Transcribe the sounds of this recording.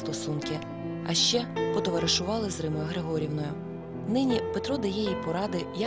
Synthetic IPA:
t̪ɔsunkɪ | ɐ̰ʃt͡ʃɛpɔd̪ɔʋɐɾeʃʊʋɑlˠɪzɾɪmɔjɐɦɾeɦɔɾʲiwnɔjʊ | nɪnʲipe̞t̪ɾɔd̪ɐjɛjipɔɾɑd̪ɪjɐ

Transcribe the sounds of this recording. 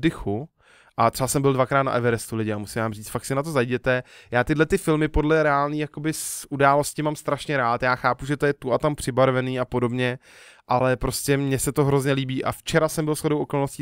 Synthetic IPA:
dɪxu | ʔat̪r̥ɛbasɛmbɪldvakɾaːt̪na̰ʔɛvɛɾɛst̪ulɪɟɪamusɪmvaːmriːt͡st̪fak̚sɪnat̪o̞zajɟɛt̪ɛjaːt̪ɪdlɛt̪ɪfɪlmɪpo̞dlɛɾɛaːlniːjakobɪsʔudaːlo̞scɪmamst̪ɾaʃɲɛɾaːt̪jaːxaːpuʒɛt̪ojɛt̪uat̪ampr̝̥ɪbaɾvɛniːapo̞do̞bɲɛ | ʔalɛpɾo̞scɛmɲɛsɛt̪oɦɾozɲɛliːbiːʔa̰ft͡ʃɛɾasɛmbɪlsxodowʔoko̞lno̞sciː

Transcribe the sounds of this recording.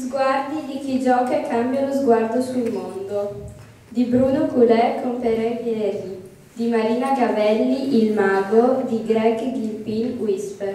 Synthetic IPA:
izɡward̪id̪ikid͡ʒɔːkakʰambjalozɡward̪osulmond̪o | d̪ibɾuːnokulɛkʰːompeɾɛɛɾi | d̪imaɾiːnaɡavɛlːiʔilmaːɡod̪iɡɾɛɡɡilpilwispe

